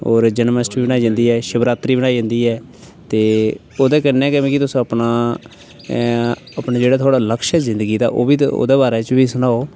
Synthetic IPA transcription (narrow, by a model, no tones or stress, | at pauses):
oːɾd͡ʒənməsʈɾiːbənaːiːd͡ʒãnd̪iːɛːʃəbɾaːt̪ɾiːbəɽaːid͡ʒə̃nd̪iːɛː | t̪eː | oːd̪eːkənːɛːkɛʋẽːkɪt̪ʊsãːəpɳaː | apnaːd͡ʒeːɽaːt̪ʰoaːɽaːləkʃɛzɪ̃nd̪ɡiːd̪a̰ːʔo̰ːbiːo̰ːd̪eːbaːɾɛːt͡ʃbiːsʊnaːoː